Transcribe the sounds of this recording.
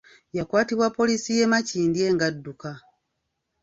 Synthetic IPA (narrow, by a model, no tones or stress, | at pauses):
jakwaːtiβwapːo̞lisije̞maciːndje̞ːŋɡadːuka